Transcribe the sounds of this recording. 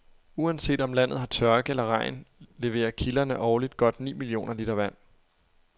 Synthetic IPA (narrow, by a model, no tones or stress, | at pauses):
uænse̝̰ːd̥ɒ̽mlæn̰ð̩ˠɦɑ̈t͡sʰɶɐɡ̥əelɐʁɑ̈ɪ̰nle̝ʋe̝̰ːɐkʰilɐnəʔɒːlid̥ɡ̥ɒ̽d̥nḭːmilio̝̰ːnɐliːd̥ɐʋæn̰